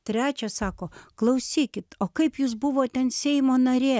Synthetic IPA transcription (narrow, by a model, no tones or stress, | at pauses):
t̪ʲɾʲæːt͡ʃʲɛsɑːkoːklˠɐʊsʲiːkʲɪt̪oːkɐɪpjuːsbʊʋoːt̪ʲɛnsʲɛɪmoːnɐɾʲeː